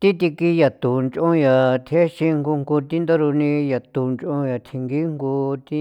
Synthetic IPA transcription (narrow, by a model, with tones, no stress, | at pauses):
t̪i˦t̪̬i˧ki˧ja˨t̪u˨nt͡ʃʔõ˦ja˨t̪ʰe˦ʃĩ˧ŋɡu˧ŋɡu˧t̪ĩ˦nd̪o˦ɾu˧nĩ˧ja˨t̪u˨nt͡ʃʔõ˧ja˨t̪ʰi˧ŋɡi˦ŋɡu˧t̪i˦